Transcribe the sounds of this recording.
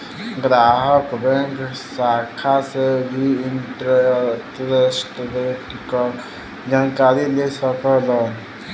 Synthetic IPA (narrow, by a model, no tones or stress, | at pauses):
ɡɾaɦəkbɛŋk | sakʰasebʱiinʈɾtɾesʈɾeʈkɔ | d͡ʒankaɾilesəkɔlɔn